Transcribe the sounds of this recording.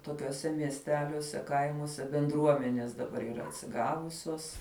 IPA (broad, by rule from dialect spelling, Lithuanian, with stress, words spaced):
toːkʲuɔˈsʲɛ mʲiɛsʲˈtʲæːlʲuɔsʲɛ ˈkɐɪmuɔsʲɛ bʲɛnˈdruɔmʲɛnʲeːs dɐˈbɐr iːˈrɐ ɐtʲsʲɪˈɡɑːʋʊsʲoːs